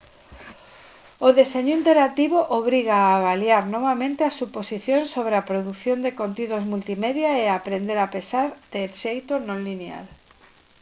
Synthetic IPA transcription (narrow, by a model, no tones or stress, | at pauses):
ʊðeseɲʊint̪eɾat̪iβoʔoβ̞ɾiɣaːβaljaɾnɔβamẽnt̪easuposiθjõnsːoβɾeapɾoðuθjond̪ekont̪iðozmult̪imeðjaeapɾend̪eɾapesaɾd̪̥eːʃejt̪onõŋlinea̰l